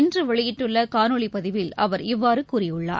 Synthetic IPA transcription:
ndrɯʋɐɭɪjɪʈːɯɭːɐkaːnɔɭipɐðɪʋɪlʔɐʋɐɾɪʋːaːɾɯkuːrɪjɯɭːa̰ːɾ

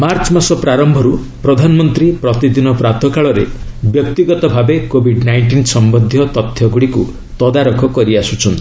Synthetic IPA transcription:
maɾt͡ʃɔmasɔpɾaɾɔmbʱɔɾu | pɾɔd̪ʱanɔmɔnt̪ɾipɾɔt̪id̪inɔpɾat̪ʰɔkaɭɔɾḛbjɔk̚t̪iɡɔt̪ɔbʱabekobʱiɖnajɳʈinsɔmbɔd̪ʱjɔt̪ɔt̪ʰːjɔɡuɽiku | t̪ɔd̪aɾɔkʰɔkɔɾiasut͡ʃʰɔnt̪i

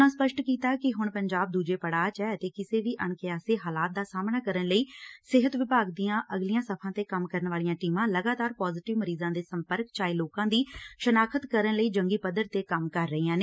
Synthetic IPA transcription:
nãːspəʃʈkiːt̪aːkɪɦʊɳpəɲd͡ʒaːb̚d̪uːd͡ʒeːpəɽaːt͡ʃɛːət̪eːkɪseːʋiːʔəɳ̃kɪaːseːɦaːlaːt̪̚d̪aːsaːmnaːkəɾəɳləiːsɪɦət̪ʋɪpaːɡd̪iːãːʔəɡlijãːsəpʰãːt̪eːkəmkəɾəɳʋaːlijãːʈiːmãːləɡaːt̪aːɾpɔːzɪʈɪʋməɾiːzãːd̪eːsəmpəɾkt͡ʃaːiloːkãːd̪iːʃənaːkʰət̪kəɾənləiːd͡ʒəŋɡiːpəd̪əɾt̪eːkəmkəɾːəɦiːãːneː

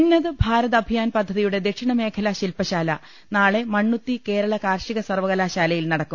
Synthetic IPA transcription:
nːɐðɨbʱaːɾɐðɐbʱijaːnpɐd̪ʱːɐðijuɽe̞d̪e̞kʂiɳɐme̞ːkʰɐlɐɕilpɐɕaːlɐ | naːɭe̞mɐɳːut̪ːike̞ːɾɐɭɐkaːrʂiɣɐsɐrʋɐɣɐlaːɕaːlɐjilnɐɽɐkːum

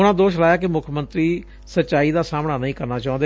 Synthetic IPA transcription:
ʊnãːd̪oːʃlaːjaːkemʊkʰmənt̪ɾiː | sətːʃaːiːd̪aːsaːmɳaːnəĩːkəɾnaːt͡ʃaːʊ̃nd̪e

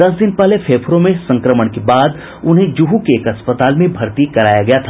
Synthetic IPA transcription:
d̪ɐsd̪ɪnpɛɦlepʰeːpʰɾõmẽsɐ̃ŋkɾəməɽ̃kebaːd̪ | ʊnɦẽd͡ʒuɦukeːkɐspət̪aːlmẽbʱɐɾt̪ikɐɾaːjaɡɐjat̪ʰa

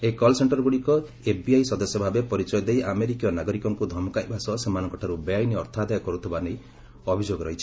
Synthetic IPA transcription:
ekɔlseɳʈɔɾɔɡuɽikɔ | epbiajsɔd̪ɔsjɔbʱabepɔɾit͡ʃɔjɔd̪ejʔameɾikijɔnaɡɔɾikɔŋkud̪ʱɔmɔkajbʱasɔsemanɔŋkɔʈʰaɾubeajniɔɾt̪ʰad̪ajɔkɔɾut̪ʰibanej | ɔbʱid͡ʒoɡɔɾɔɦit͡ʃʰi̥

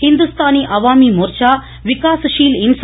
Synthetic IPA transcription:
hind̪ust̪ʰaːniʔɐʋaːmimuɾt͡ʃaː | ʋikaːsʃiːlins

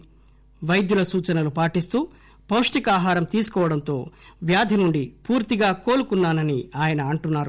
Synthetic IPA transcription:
ʋɐjd̪julɐsuːt͡ʃɐnɐlupaːʈist̪uː | pɐwʂʈikaːɦaːɾɐmt̪iːsu̥kɔːʋɐɽɐnt̪o̞̰ːʋjaːd̪ʱinuɳɖipuːɾt̪iɡaːkoːlukunːaːnɐniaːjɐnɐːɳʈunːaːɾu

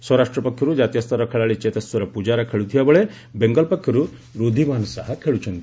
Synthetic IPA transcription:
sɔɾaʂʈɾɔpɔkʰjɔɾud͡ʒaːt̪ijɔst̪ʰɔɾɔkʰeɭaɭit͡ʃet̪ɐswɔɾɔpud͡ʒaɾɐkʰeɭut̪ʰijabɔɭe | beŋɡɔlpɔkʰjɔɾu | ɾod̪ʱimaːnɔsɐɦɐkʰeɭut͡ʃɔnt̪i

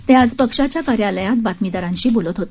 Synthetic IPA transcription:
t̪ẽad͡zpəkʂat͡ɕjakaɾjaləjãt̪̚bat̪mid̪aɾãɲɕiːbolət̪ɦot̪

